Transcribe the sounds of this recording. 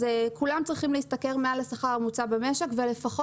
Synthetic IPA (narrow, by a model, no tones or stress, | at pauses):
ekulamt͡sʁiχimleist̪akeʁmealasaχaʁamut͡sabemeʃe̞kve̞le̞faχo